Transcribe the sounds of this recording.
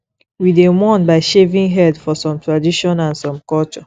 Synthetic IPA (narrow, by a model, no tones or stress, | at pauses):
widemɔ̃nbaɪʃevĩŋɦɛdfɔsɔ̃mtʰɹadiʃɔ̃nãnsɔ̃mkɔlt͡ʃɔ